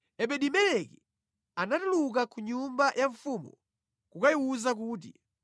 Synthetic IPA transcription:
ɛɓɛɗimɛlɛki | anatuluk̬akuɲumbajʔaɱfumṵ | kukajiwuzak̬uːt̬ḭ

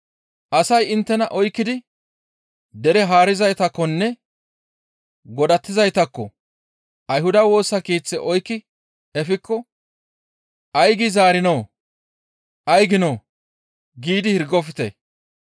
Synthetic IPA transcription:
ʔɐsɐjɪnt̪ːɛnɐʔɔjkːɪd̪ɪ | d̪ɛɾɛɦaːɾɪzɐjt̪ɐkːɔnːɛ | ɡɔd̪ɐt̪ːɪzɐjt̪ɐkːɔ | ʔɐjhʊd̪ɐwo̞ːsːɐkiːt͡sːɛʔɔjkːɪ | ɛfɪkːɔ | ʔɐjɡɪzaːɾɪnow | ʔɐjɡɪnoː | ɡiːd̪ɪhɪɾɡɔfɪt̪ɛ̰

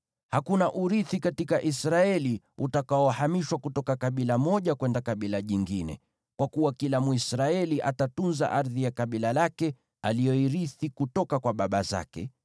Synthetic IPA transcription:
hakunaʔuɾiθikatikaʔisɾaɛli | utakaɔhamiʃwakutɔkakaɓilamɔʄakwɛndakaɓilaʄiŋɡinɛ̰ | kwakuwakilamuisɾaɛliʔatatunza̰ʔaɾðijakaɓilalakɛ | aliɔiɾiθikutɔkakwaɓaɓaza̰kɛ̰

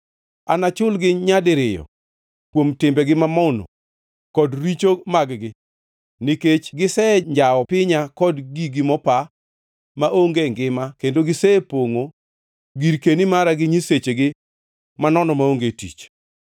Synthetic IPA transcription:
a̰nat͡ʃʊlɡɪɲadɪɾɪjɔ̰ | kwomtɪmbɛɡɪmamɔno̰ | kɔdɾit͡ʃomaɡɡɪ | niket͡ʃɡɪsɛɲd͡ʒaɔpɪɲakɔdɡiɡɪmɔpa | maʔoŋɡeŋɡɪmakendoɡɪsɛpoŋo | ɡiɾkenimaɾaɡɪɲiset͡ʃeɡɪ | manɔnɔmaoŋɡetḭt͡ʃ

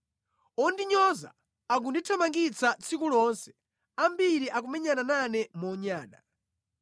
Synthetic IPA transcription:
ɔndiɲɔza̰ | aɡ̬unditʰamaŋɡit͡sat͡sʰikulɔnsɛ̥ | ambiɾiʔakumɛɲanananɛmɔɲaːna̰

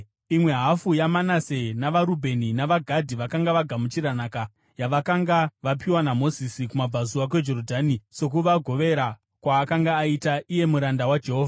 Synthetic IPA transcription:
imwe̞ɦafujamanasenaʋaɾubʱe̞ninaʋaɡʱadʱiʋakaŋɡaʋaɡʱamut͡ʃiɾanaːka | jaʋakaŋɡaʋapiwanamo̞zisikumab͡vʱazuwak̬we̞d͡ʒo̞rodʱaːnise̞k̬uʋaɡʱo̞ʋe̞ɾa | kwaːkaŋɡaːitaʔije̞muɾandawad͡ʒe̞ɦoːvʱa

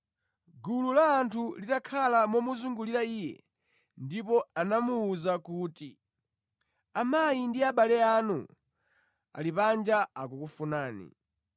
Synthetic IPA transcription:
ɡululaːntʰulitakʰalamɔmuzuŋɡuliɾaiːjɛ̰ | ndipɔanamuːzakuːti | amajindiaɓalɛanṵ | a̰lipand͡ʒaak̬ukufunaːnḭ

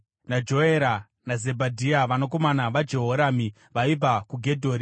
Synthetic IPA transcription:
nad͡ʒo̞eɾa | naze̞bʱadʱiaʋanoko̞manaʋad͡ʒe̞ɦoɾami | ʋaib͡vakuɡʱe̞dʱoːɾi

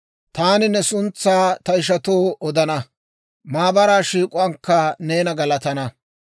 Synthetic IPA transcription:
t̪aːnɪnɛsʊnt͡sːaːt̪ɐɪʃ̬ɐt̪oːʔɔd̪ɐnɐ | maːbɐɾaːʃiːkʼʊɐŋkːɐne̞ːnɐɡɐlɐt̪ɐnɐ

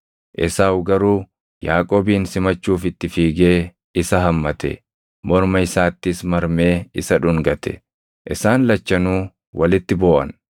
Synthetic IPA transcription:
ʔɪsaːwɡɐɾuː | jaːkʼoːbiːnsɪmɐt͡ʃːuːfɪt̪ːɪfiːɡe̞ː | ɪsɐɦɐmːɐt̪ɛ̰ | mɔɾmɐɪsaːt̪ːɪsmɐɾme̞ːɪsɐᶑʊŋɡɐt̪ʰɛ̥̰ | ʔɪsaːnlɐt͡ʃːɐnuː | wɐlɪt̪ːɪbo̞ːʔɐ̰n

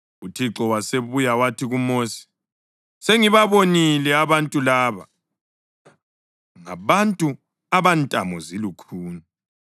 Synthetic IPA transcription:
utʰiǁɔwaseβujawatʰiɣumoːsi̥ | seŋiβaβonilɛaβantʼulaːβa̰ | ŋa̰βantʼu | aβantʼamɔzilukʰuːna

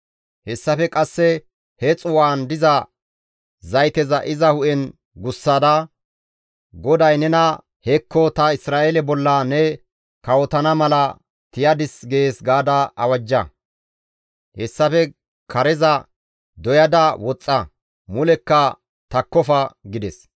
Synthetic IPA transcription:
hɛsːɐfɛkʼɐsːɛ | hɛt͡sʼʊwaːnd̪ɪzɐ | zɐjt̪ɛzɐʔɪzɐhʊʔɛn | ɡʊsːad̪ɐ | ɡɔd̪ɐjnɛnɐ | hɛkːɔt̪ɐɪsɾaːʔelɛbɔlːɐnɛ | kɐwɔt̪ɐnɐmɐlɐ | t̪ɪjɐd̪ɪsɡeːsɡaːd̪ɐɐwɐd͡ʒːɐ | hɛsːɐfɛ | kʰɐɾɛzɐ | d̪ɔjɐd̪ɐwɔt͡sʼːɐ | mʊlɛkːɐ | t̪ɐkːɔfɐɡɪd̪ɛs

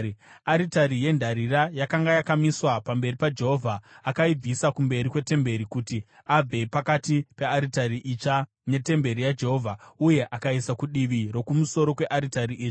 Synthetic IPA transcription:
aɾitaɾije̞ndʱaɾiɾajakaŋɡajakamiswapambe̞ripad͡ʒe̞ɦo̞ːvʱaːkaib͡visakumbe̞ɾikwe̞te̞mbe̞ɾikuti | ab͡ve̞pakatipe̞aɾitariʔit͡ʃa | ne̞te̞mbe̞ɾijad͡ʒe̞ɦo̞vʱauje̞ʔakaisakuɗiʋiɾo̞kumuso̞ɾo̞kwe̞ʔaɾitariʔiːt͡ʃi

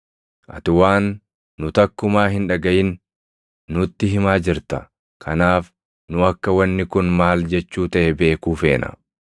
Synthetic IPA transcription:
ʔɐ̰t̪ɪwaːnː | ʊt̪ɐkːʊmaːɦɪnᶑɐɡɐʔjɪnː | ʊɪt̪ːɪɦɪmaːd͡ʒɪɾt̪ɐ | kʰɐnaːf | nʊɐkːɐwɐnːɪkʊnmaːld͡ʒɛt͡ʃːuːt̪ɐʔɛbe̞ːkuːfe̞ːnɐ̰

